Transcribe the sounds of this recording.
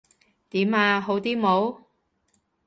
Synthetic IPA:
t̪iː˨˥maː˧ɦo˨˥wt̪iː˥mo˨˥w

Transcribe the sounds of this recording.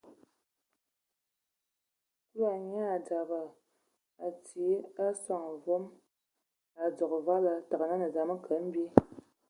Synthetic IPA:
ku˦a˨ɲ˦a˦a˨da˨bə˨ | a˨ti˨˦a˦sa˦˨ŋ˨vɔ˦m | a˨d͡zɔ˨kva˦la˦ta˨ɣə˨na˦nə˨d͡za˨mə˦kə˨˦m̩˦bi˦

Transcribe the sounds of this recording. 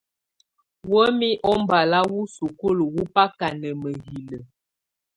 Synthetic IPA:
wə˦mi˦ʔɔ˦m˦ba˨la˦wu˦su˨ko˦lə˨wu˦pa˦ka˨nə˨mə˨ɦi˨lə˨

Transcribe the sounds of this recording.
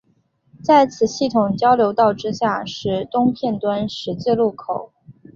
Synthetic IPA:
t͡sa˥˩ɪt͡sʰɹ̩˨˩ɕi˥˩t̪ʰʊ˨˩ŋt͡ɕjɑ˥ʊljo˧˥ʊt̪ɑ˥˩ʊʈ͡ʂɻ̩˥ɕja˥˩ʂɻ̩˧˥t̪ʊ˥ŋpʰjɛ˥˩nt̪wa˥nʂɻ̩˧˥t͡ɕ̩˥˧lu˥˩kʰo˨˩˦ʊ

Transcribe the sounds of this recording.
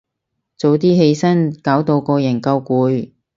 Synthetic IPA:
t͡so˨˧wt̪iː˥ɦe˧jsɐ˥nkaː˨˥wt̪o˧wkɔː˧jɐ˨˩nkɐ˧wkuː˨˧j

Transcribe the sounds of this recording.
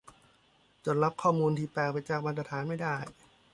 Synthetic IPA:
t͡ɕo˧˩nɾa˦˥p̚kʰɔː˥˩muː˧nt̪ʰiː˥˩pɛː˨˩k̚pa˧jt͡ɕaː˨˩k̚ma˧nt̪ɾa˧t̪ʰaː˩˦nma˥˩jdaː˥˩j

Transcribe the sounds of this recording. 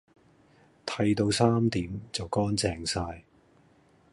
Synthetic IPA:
t̪ʰɐ˧jt̪o˧wsaː˥mt̪iː˨˥mt͡sɐ˨wkɔː˥nt͡sɛː˨ŋsaː˧j

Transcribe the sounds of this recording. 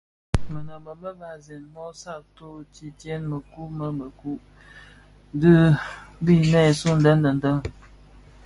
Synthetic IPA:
mə˨nə˨mə˨bə˦ba˨zi˨nmɔ˦sa˦˨ʔto˦t͡ʃi˦tjɛ˦nmə˨ku˦mə˦mə˨ku˦ʔ | dɨ˦bi˦˨nɛ˦˨su˦˨n̩˦də˦n˦də˨n̩˨də˦ŋ

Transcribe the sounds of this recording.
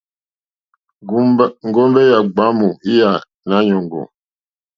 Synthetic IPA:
ŋ̩˨ɡɔ˦mbɛ˦ja˨ɡ͡ba˨˦mu˨i˦ja˨ | na˨˦ɲɔ˨ŋɡɔ̰˨

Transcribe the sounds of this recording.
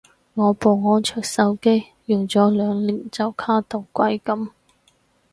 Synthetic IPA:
ŋɔː˨˧po˨˧wŋɔː˨˥nt͡ʃʰœː˨˩k̚sɐ˨˥wke˥j | jʊ˨ŋt͡sɔː˨˥lœː˨˧ŋliː˨˩nt͡sɐ˨wkʰaː˥t̪o˨˩wkʷɐ˨˥jkɐ˨˥m

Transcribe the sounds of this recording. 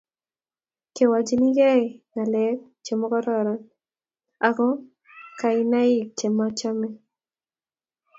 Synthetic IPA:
ke˨wa˨d͡ʒi˦ni˦jɛ˦˨ŋa˨lɛ˦k̚ | t͡ʃe˨mɔ˦kɔ˦ɾɔ˨ɾɔ˨n | a˨kɔ˦ | ka˨i˦na˦ɪ˦k̚t͡ʃe˨ma˦t͡ʃa˦mɛ˦

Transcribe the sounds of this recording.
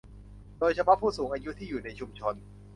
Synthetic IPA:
doː˧jt͡ɕʰa˧pʰɔ˦˥pʰuː˥˩suː˩˦ŋʔaː˧ju˦˥t̪ʰiː˥˩juː˨˩na˧jt͡ɕʰu˧mt͡ɕʰo˧n

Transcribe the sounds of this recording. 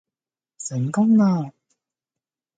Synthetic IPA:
sɪ˨˩˦ŋkʊ˥ŋnaː˧

